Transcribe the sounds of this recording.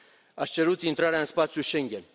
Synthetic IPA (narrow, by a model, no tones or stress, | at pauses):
ast͡ʃɛɾut̪int̪ɾaɾanspat͡sʰjuʃɛŋɡɛn